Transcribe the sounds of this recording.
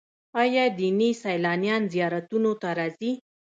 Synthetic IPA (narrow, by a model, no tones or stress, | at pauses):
ɑjɑd̪inisajlɑnjɑnzijɑɾat̪unot̪aɾɑzi